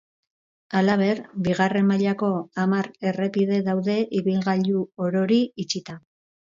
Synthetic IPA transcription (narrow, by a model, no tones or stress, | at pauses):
alaβ̞e̞ɾbiɣare̞mːaʎako̞amaɾe̞re̞piðe̞ðawðe̞ʔiβilɣaʎuoɾo̞ɾiit͡ʃit̪a